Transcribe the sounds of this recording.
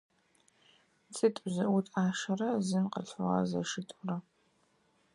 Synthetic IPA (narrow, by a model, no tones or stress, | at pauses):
t͡sʼɨtʼzɨʔʊtʼaːʂɐrɐzɨnqəɬʁɐ̰zɐ̰ʂɨtʼʊrɐ